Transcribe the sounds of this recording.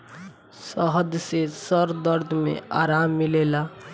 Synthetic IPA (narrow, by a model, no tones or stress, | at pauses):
səɦəd̪sesəɾd̪əɾd̪ʱmḛa̰ɾamːilela